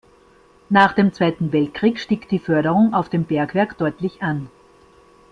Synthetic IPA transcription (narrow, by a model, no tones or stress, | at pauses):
naːχd̥eːmt͡sv̥aɪtn̩vɛlt̚kʁ̥iːkʃtiːkd̥iːfœɐɾəʁʊŋaʊfd̥eːmbɛɐkv̥ɛɐkd̥ɔʏtlɪçʔan